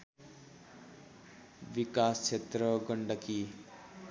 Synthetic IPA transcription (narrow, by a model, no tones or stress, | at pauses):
bikast͡sʰet̪rʌɡʌɳɖʌki